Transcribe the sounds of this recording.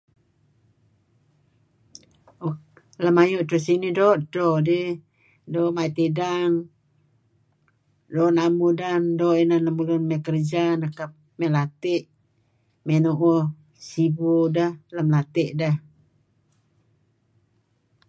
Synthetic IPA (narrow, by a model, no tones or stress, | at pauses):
ləmajuʔt̪osinidoʔt̪ɾodi | doʔmajt̪idaŋ | donamudandoʔinanlamulunmɛkərd͡ʒanakap̚ | mɛlat̪iʔ | menuʔɔ | sibudahlamlat̪eʔdah